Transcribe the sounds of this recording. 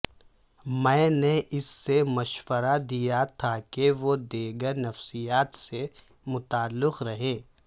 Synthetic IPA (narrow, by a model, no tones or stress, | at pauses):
mɛ̃ːneʔɪsːemɐʃwəɾad̪ijat̪ʰakeʋod̪eːɡəɾnɐfsijaːt̪se | mʊt̪aːlːɪqɾɐɦẽː